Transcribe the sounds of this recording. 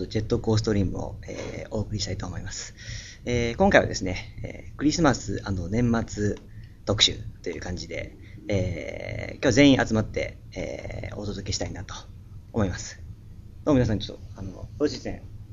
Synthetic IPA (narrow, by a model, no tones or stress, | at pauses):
ot̪ːod͡ʑe̞t̪ːo̞ko̞ːs̬ɨ̥t̪o̞ɾʲĩːmɯ̟̰o̰ḛo̞ːkɯ̟ɾʲiɕi̥t̪ait̪oːmo̞imasɨ̥ | eːkõŋkaiβa̰d̪e̞sɨne̞ḛːkɯ̟ɾʲisɨmasɨano̞nẽ̞mːat͡sɨ | t̪o̞kɯ̟̥ɕɨ̰t̪o̞jɯ̟ːkãɲ̟d͡ʑid̪e̞̰ː | kʲoazẽ̞ĩʔat͡sɨmat̪ːe̞̰ | ḛːot̪o̞d̪o̞kʲe̞ɕi̥t̪ainat̪o̥ː | mo̞imasɨ̥d̪̥omʲinas̬ãɲ̟it͡ɕot̪ːoano̞̰doːɕisḛ̃